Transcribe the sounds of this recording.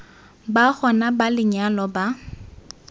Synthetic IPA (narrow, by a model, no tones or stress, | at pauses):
baχɔnabalɪɲalɔba